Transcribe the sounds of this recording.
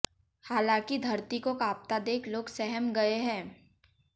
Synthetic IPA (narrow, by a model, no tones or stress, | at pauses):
haːlãːkid̪ʱɐɾt̪ikokaːp̚t̪ad̪eːkʰloːɡsɛɦəmɡɐeɦɛ̃ː